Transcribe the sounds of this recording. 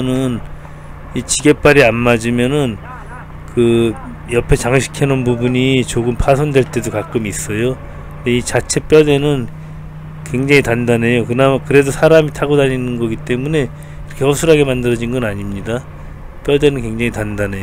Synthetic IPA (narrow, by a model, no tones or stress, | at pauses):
nɯn | it͡ɕiɡe̞p͈aɾianmad͡ʑimjʌnɯn | kɯ | jʌpʰe̞t͡ɕaŋɕʰi̥kʰenɯnpubuɲit͡ɕoɡɯmpʰasʰʌndwe̞ɭt͈e̞dokak͈ɯmis͈ʌjo | ndeit͡ɕat͡ɕʰe̞p͈jʌde̞nɯn | kwe̞ŋd͡ʑaŋitandane̞jokɯnakɯɾe̞dosʰaɾamitʰaɡodaɲinɯnɡʌɡit͈e̞mune̞ | kiɾʌkʰeʌp̚sʰuɾɦaɡe̞mandɯɾʌd͡ʑinɡʌnaɲimɲida | p͈jʌde̞nɯnkwe̞ŋd͡ʑaŋitandane̞o